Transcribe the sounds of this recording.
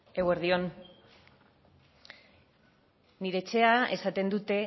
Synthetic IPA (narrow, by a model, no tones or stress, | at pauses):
e̞we̞ɾðio̞n | niɾe̞ːt͡ʃe̞ae̞̰sat̪e̞nd̪ut̪e̞